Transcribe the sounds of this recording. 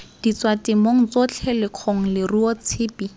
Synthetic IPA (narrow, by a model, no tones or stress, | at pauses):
d̥it͡swatɪmoŋ̩t͡sot͡ɬʰɛlɪq͡χʰoŋ̩lɪruɔt͡sʰɪːpi